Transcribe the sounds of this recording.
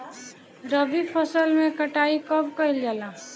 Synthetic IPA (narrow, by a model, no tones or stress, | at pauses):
ɾəbipʰəsəlmẽkəʈaikəbkəɦild͡ʒala